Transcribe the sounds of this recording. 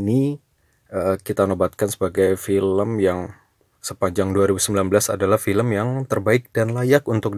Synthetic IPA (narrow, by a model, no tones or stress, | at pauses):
ni | ʔəkit̪anobat̪̚kansə̥baɡajfiləmjaŋ | səpaɲd͡ʒaŋduaɾibusəmbilanbəlasadalahfiləmjaŋt̪ərbaɪk̚d̥anlajakunt̪ʊk̚